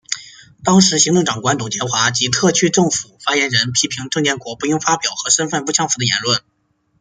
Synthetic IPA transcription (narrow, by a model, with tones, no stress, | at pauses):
t̪ɑ˥ŋʂɻ̩˧˥ɕi˧˥ŋʈ͡ʂ̪ɤ˥˩ŋʈ͡ʂɑ˨˩ŋkwa˧˥nt̪u˨˩t͡ɕjɛ˧˥nxwa˧˥t͡ɕi˧˥t̪ʰɤ˥˧t͡ɕʰy˥˧ʈ͡ʂɤ˥˩ŋfu˨˩fa˥jɛ˧˥nɻə˧˥npʰi˥pʰi˧˥ŋʈ͡ʂɤ˥˧ŋt̪jɛ˥˩nkwɔ˧˥pu˥˩jŋfa˥pjɑ˨˩ʊxɤ˧˥ʂə˥nfə˥˧npu˥˩t͡ɕʰjɑ˥ŋfu˧˥d̪ə˧jɛ̰˧˥nlwə˥˩n